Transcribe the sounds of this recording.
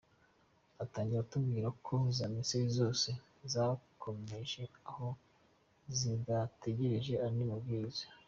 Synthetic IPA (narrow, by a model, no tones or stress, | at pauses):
ataːɲɟiɾautubɡiːɾakʰozaminsiɾizo̞ːse | zakʰo̞me̞ʒe̞aho̞ | zidateɟeɾiʒe̞aɾinimubɡiːize